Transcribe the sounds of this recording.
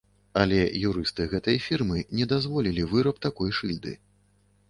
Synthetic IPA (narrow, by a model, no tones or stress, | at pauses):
ɐlʲɛjuɾɨst̪ɨɣɛt̪ɐjfʲirmɨnʲɛd̪azvɔlʲilʲivɨɾɐpt̪akɔjʂɨlʲd̪ɨ̰